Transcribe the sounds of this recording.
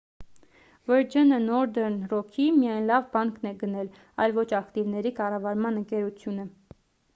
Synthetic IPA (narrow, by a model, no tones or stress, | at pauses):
vəɾd͡ʒənənɔɾd̪ɛɾnrɔkʰimijɑjnlɑvbɑŋkʰnɛɡənɛl | ɑ̰jlvɔt͡ʃʰɑkt̪ivnɛɾikɑrɑvɑɾmɑnəŋkɛɾut͡sʰjunə